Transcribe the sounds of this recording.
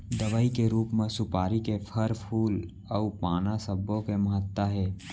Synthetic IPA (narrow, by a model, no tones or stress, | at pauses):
d̪ɐʋaːikeɾuːpmẽsʊpaːɾikepʰəɾpʰuːl | ɔːpaːnasəbõkemɐɦət̪ːaɦɛː